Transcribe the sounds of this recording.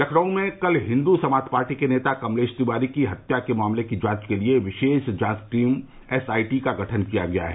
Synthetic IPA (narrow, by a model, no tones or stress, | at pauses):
lɐkʰɽəõmẽkɐlɦɪ̃nd̪usɐmaːd̪ʱpaːɾʈikeneːt̪akɐmleːʃt̪ibaːɾikiɦɐt̪jakemʊaːmlekid͡ʒãːt͡ʃkelieʋɪʃeːʃd͡ʒãːsʈɾiːm | ɛsaːiʈikaɡʱɐʈʰənkijaɡɐja̰ɦɛ